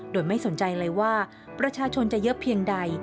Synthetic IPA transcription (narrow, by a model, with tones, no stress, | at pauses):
doː˧jma˥˩jso˨˩˦nt͡ɕa˧jlɤː˧jwaː˥˩ | pɾa˧t͡ɕʰaː˧t͡ɕʰo˧nt͡ɕa˨˩jɤ˦˥pʰi˧əŋda˧j